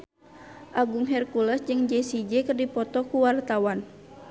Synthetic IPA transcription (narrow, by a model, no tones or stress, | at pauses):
ʔaɡuŋɦɛrkulɛsd͡ʒɨŋd͡ʒɛsid͡ʒɛkərdipɔt̪ɔkuwart̪awan